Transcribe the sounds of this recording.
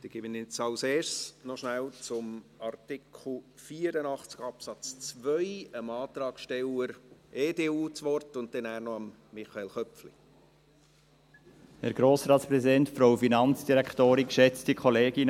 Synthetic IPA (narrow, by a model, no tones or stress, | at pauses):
d̪̥iːɡ̥ɪbənɪt͡sɑwseːɾsnɔʃnælt͡sʊmɑɾtɪkʰl̩fiːəɾənɑχt͡sɡ̥ɑpsɑt͡st͡svœʏəmɑːt̪ɾɑːɡ̥ʃtɛləɾʔeːdeːuːt͡sʋɔrtʊnt̚ɛnæːnɔɑmː | ɪχɑelχœpflḭ | hɛɾɡɾoːsɾɑːtspɾɛsidɛntfɾoʊfinɑnt͡sd̥iɾækχtoːɾɪnʃɛt͡stikχɔleːɡ̥ɪn